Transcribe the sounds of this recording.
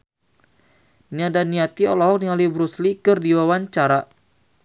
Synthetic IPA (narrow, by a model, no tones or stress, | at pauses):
niadaniat̪iɔlɔɦɔk̚nialibɾuslikərdiwawaɲt͡ʃaɾa